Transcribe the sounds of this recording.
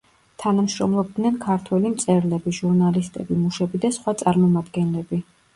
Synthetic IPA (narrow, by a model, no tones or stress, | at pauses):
t̪ʰanamʃɾɔmlˠɔb̚d̪nɛnkʰaɾt̪ʰwɛlimt̪sʼɛɾlɛbiʒuɾnalist̪ʼɛbimuʃɛbid̪asχwat̪sʼaɾmɔmad̪ɡɛnlɛbi